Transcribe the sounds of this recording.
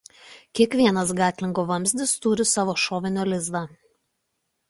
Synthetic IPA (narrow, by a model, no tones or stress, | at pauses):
kʲiɛkʋʲiɛnɐsɡɑːt̪ʲlʲɪŋɡoːʋɐmʲzʲd̪ʲɪst̪ʊɾʲɪsɑːʋoːʃoːʋʲɪnʲoːlʲɪzd̪ɑː